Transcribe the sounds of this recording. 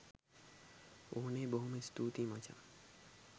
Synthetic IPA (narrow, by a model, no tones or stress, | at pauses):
oɦnebəɦumẽst̪uːt̪imãt͡ʃʰa̰ː